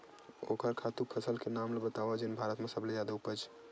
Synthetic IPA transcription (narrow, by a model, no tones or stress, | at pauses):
o̰kəɾkʰat̪upʰəsəlkenamlebət̪abad͡ʒenbʱaɾət̪mẽsəbled͡ʒad̪aupət͡ʃʰ